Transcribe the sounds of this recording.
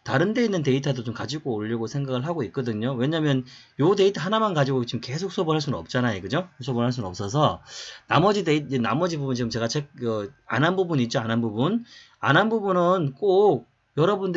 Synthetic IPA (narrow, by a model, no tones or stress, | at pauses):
taɾɯnde̞inːɯnte̞itʰadot͡ɕomkad͡ʑiɡoːʎːiɡosʰe̞ŋɡaɡɯɭɦaɡoit̚k͈ʌdɯɲowe̞ɲamjʌn | jote̞itʰaɦanamankad͡ʑiɡot͡ɕimke̞sʰok̚s͈ʰʌbonɦaɭs̬͈unɯnʌp̚t͡ɕ͈anajeɡɯd͡ʑosʰʌbonɦaɭs̬͈unɯnʌp̚s͈ʌs̬ʰʌna̰mʌd͡ʑideiena̰mʌd͡ʑibubunt͡ɕiɡɯmt͡ɕe̞ɡat͡ɕʰek̚ʌa̰nɦanbubuniːt̚t͡ɕ͈oanɦanbubun | a̰nɦanbubunɯnk͈ok̚ | jʌɾʌbund